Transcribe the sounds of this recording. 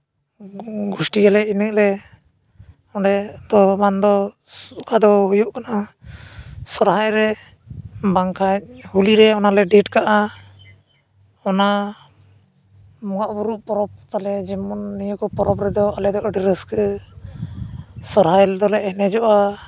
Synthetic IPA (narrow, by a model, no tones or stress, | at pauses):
ɡusʈiɡalɛinək̚lɛ | ɔɖɛd̪ɔmand̪ɔ | sukʰad̪ɔɦujuʔkana | sɔɾɦajɾɛ | baŋkʰac̚huliɾɛɔnalɛɖiʈkaʔa | ɔna | mɔɡaʔbuɾuʔpɔɾɔp̚t̪alɛd͡ʒɛmɔnːijəkɔpɔɾɔpɾɛd̪ɔalɛd̪ɔʔəɖiɾəskə | sɔɾɦajlɛd̪ɔlɛɛnɛd͡ʒɔʔa